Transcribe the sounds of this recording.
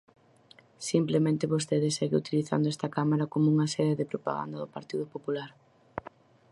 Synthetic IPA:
simplemẽnt̪ɪβost̪eðɪseɣeut̪iliθa̰nd̪oɛst̪ɐkamaɾɐkomouŋɐsɛðeðɪpɾopa̰ɣa̰nd̪ɐðʊpaɾt̪iðʊpopulaɾ

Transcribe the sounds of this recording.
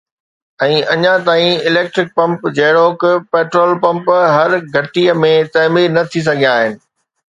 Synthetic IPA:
ɛ̃ːʔɐɲãt̪aːĩɪleːk̚ʈɾɪk̚pɐ̃mpd͡ʑɐɦɪɽoːkpeːʈɾoːlpɐ̃mpɦɐɾɡʱɐʈijəmẽt̪ɐːmiːɾnɐt̪ʰis̬ɐɡʱijaːɦɪnɪ̆

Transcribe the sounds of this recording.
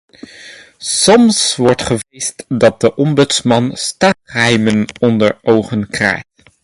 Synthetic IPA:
sɔmsʋɔɹtχəʋejstdɑt̚dəʔɔmbʏtsmɑnstaːχɦɛjmənɔndəɹʔowχənkrɛ̰jt

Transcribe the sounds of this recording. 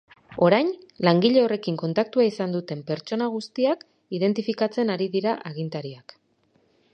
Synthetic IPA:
o̞ɾajnlaŋɡiʎe̞o̞re̞kiŋko̞nt̪ak̚t̪uaisand̪ut̪e̞mpe̞ɾt͡ʃo̞naɣ̞ust̪iak | ið̞e̞nt̪ifikat͡se̞naɾiðiɾaʔaɣint̪aɾiak

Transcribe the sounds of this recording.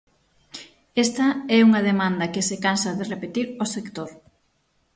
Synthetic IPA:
ɛst̪ɐɛuŋɐð̞emãnd̪ɐkɪsekansɐðerepet̪iɾosekt̪oɾ

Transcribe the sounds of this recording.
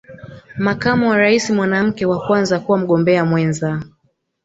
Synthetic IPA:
makamuwaɾaisimwanam̩kɛwakwanzakuwam̩ɠɔmbɛamwɛnza

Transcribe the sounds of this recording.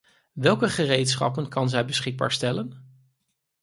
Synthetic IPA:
ʋɛlˠkəχərejtsχɑ̰pənkɑnzɛjbəsχɪɡ̚ba̰ːɹstɛlən

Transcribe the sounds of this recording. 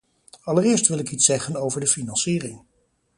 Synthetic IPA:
ɑlərɪːɹstʋɪlˠɪkitsɛχənowvəɹdəfinɑnsiːrɪŋ

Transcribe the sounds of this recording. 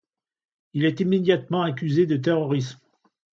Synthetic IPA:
ilɛt̪imːed̪jat̪mɑ̃akʲyzed̪ət̪̬eʁɔʁism

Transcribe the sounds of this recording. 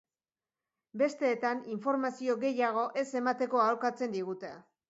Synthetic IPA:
be̞st̪e̞ːt̪aniɱfo̞ɾmasio̞ɣe̞jaɣ̞o̞ʔe̞se̞mat̪e̞ko̞aolkat͡se̞nd̪iɣ̞ut̪e̞

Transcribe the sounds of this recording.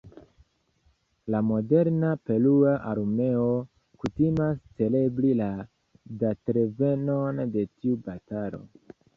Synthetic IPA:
lamo̞de̞ɾnape̞luaʔaɾme̞o | kutimast͡se̞le̞blila | datɾeve̞no̞nde̞tiubatalo̞̰

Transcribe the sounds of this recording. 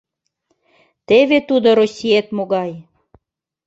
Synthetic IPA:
t̪eβet̪ud̪oɾosʲiet̪moɣɑj

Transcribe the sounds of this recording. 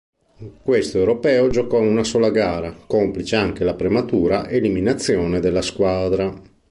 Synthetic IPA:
kwest̪oewɾopɛːod͡ʒokɔunasoːlaɡaːɾakomplit͡ʃeaŋk̟elapɾemat̪uːɾaʔeliminat̪sːjoːned̪elːaskwaːd̪ɾa

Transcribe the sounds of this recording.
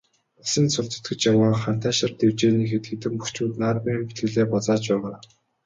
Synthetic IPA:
asə̆nsʊɮt͡sə̥̆t̪ɡɘ̆t͡ɕjawaːχan̥t̪ʰæːʃə̆rt̪ew̥t͡ɕeːniːxet̪ɡĕt̪ɘ̆mpuxt͡ɕut̪naːrpiːmpi̥t̪ɡɘ̆ɮeːpɔt͡saːt͡ɕpæːʁaː

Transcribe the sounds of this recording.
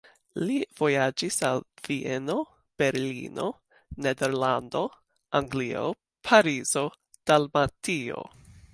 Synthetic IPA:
liv̥o̞jad͡ʒisalv̥iʔeno̞ | b̥e̞ɾlḭno̞ | nedeɾlando̞ | ʔaŋɡlio̰ | pʰaɾizo̞ | d̥almatio̞̰

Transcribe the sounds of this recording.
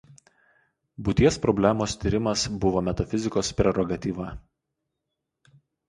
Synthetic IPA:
bʊt̪ʲiɛspɾɔbʲlʲæmoːst̪ʲiɾʲɪmɐsbʊʋoːmʲɛt̪ɐfʲɪzʲɪkoːspʲɾʲɛɾɔɡɐt̪ʲiːʋɐ

